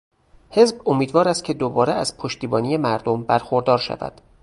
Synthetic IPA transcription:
he̞zbomiːd̪vɒːɾæst̪̚cʰe̞d̪obɒːɾeæz̥pʰoʃt̪iːbɒːniːje̞mæɾd̪ombæɾxoɾd̪ɒːɾʃæ̰væ̰d̪̥

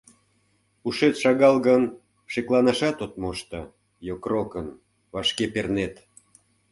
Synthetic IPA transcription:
uʃet̪ʃɑɣɑlɣən | ʃeklɑnɑʃɑt̪ot̪moʃt̪ə | jokrokən | vɑʃkepernet̪

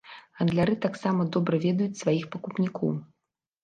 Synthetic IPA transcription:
ɣɐnd̪lʲaɾɨt̪aksamɐd̪ɔbɾɐvʲɛd̪ɐjut͡sʲsvajixpɐkupnʲikʰɔ̰w

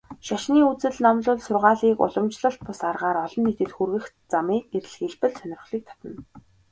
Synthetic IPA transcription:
ʃaʃniːut͡sɘ̆ɮnamɮʊːɮsʊrʁaːɮiːkʊ̰ɮə̆mt͡ɕɮə̆ɬt̪̚pʊsarʁaːɾɔɮɞ̆nːet̪ɘ̆t̪xurɣɘ̆x | t͡samiːk̚eɾɘ̆ɮxiɮpɘ̆ɮsœnʲɪ̆rχɮiːk̚t̪ʰḁt̪ə̆n

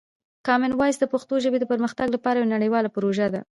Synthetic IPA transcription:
kɑmɪnwɑjsd̪əpaxt̪oʒəbed̪əpəɾməxt̪aɡlapɑɾajanaɽəjwɑlapɾoʒad̪a

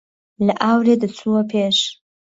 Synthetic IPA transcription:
ləʔawɾed̪ət͡sʰuopʰeʂ

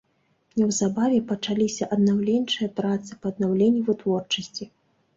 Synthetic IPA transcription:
nʲɛwzabavʲɛpɐt͡ʂalʲisʲɐʔɐd̪nawlʲɛnʲt͡ʂɨjɐpɾat̪sɨ̥pɐːd̪̚nawlʲenʲːuvɨt̪vɔrt͡ʂɐsʲt͡sʲi

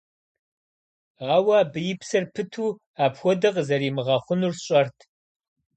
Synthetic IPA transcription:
aːwɐbɨjɪpsɐrpʰɨtʰuː | aːpxʷɔdɨqzɐɾiːmɨʁɑχʷʊnuːrɕʼɐrtʰ

